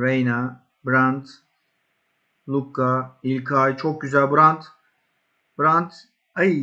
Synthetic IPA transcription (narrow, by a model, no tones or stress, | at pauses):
ɾejna | bɾant̪ | lˠukːailʲkʰajt͡ʃʰok̚ɟyzælʲbɾant̪ | b̥ɾant̪ | aj